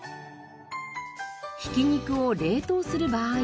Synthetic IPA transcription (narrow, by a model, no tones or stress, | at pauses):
çi̥kʲiɲ̟ikɯ̟oɾʲe̞ːt̪o̞ːsɨɾɯ̟baː